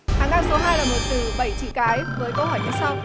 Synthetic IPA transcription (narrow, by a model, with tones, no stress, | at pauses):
haː˨˦ŋaː˧so˨˦ɦaː˧jlaː˨˩mo˨˩t̚t̪ɨ˨˩ɓə˧˩jt͡ɕḭ˧˩kaː˨˦jvəː˨˦jkə˧whɦɔ˧˩jt͡ɕʰa˧ŋ͡msa˨˧w